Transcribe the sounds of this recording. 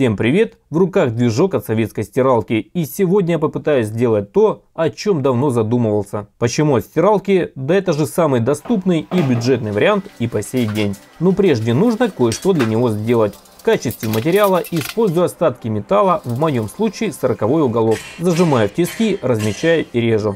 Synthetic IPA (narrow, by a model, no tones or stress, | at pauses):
fsʲe̞mpɾʲɪvʲe̞t̪vrʊkaɣd̪vʲɪʐo̞kɐt̪sɐvʲet̪skəjsʲtʲɪɾalˠkʲɪisʲɪvo̞dʲnʲəjapəpɨt̪ajʊsʲzʲdʲe̞lˠət̚ʲt̪o̞ɐt͡ɕo̞md̪ɐvno̞zɐd̪uməvəlˠsʲəpət͡ɕɪmuɐt̪sʲtʲɪɾalˠkʲɪd̪ɐɛt̪əʐɨsamɨjd̪ɐst̪upnɨjibʲʊʐɛt̪nɨjvəɾʲɪant̪ipɐsʲejdʲenʲ | nopɾʲe̞ʐdʲɪnuʐnəkojʂt̪o̞d̪lʲɐnʲɪvo̞zʲdʲe̞lˠətʲ | fkat͡ɕɪst̪vʲɪmət̬ʲɪɾʲɪalˠəʔɪspo̞lʲzʊjʊɐst̪at̪kʲɪmʲɪt̪alˠəvmɐjo̞mslˠut͡ɕɪːsəɾəkɐvo̞jʊɡɐlˠo̞fzəʐɨmajʊftʲɪskʲirəzmʲɪt͡ɕːæjʊɪɾʲeʐʊ